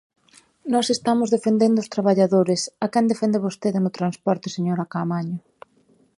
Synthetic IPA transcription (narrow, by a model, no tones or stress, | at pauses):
nɔsest̪amʊzðefend̪end̪ʊst̪ɾaβ̞aʎaðoɾɪsakɛnd̪efɛnd̪ɪβost̪eðɪnʊt̪ɾanspɔɾt̪ɪseɲoɾakamaɲʊ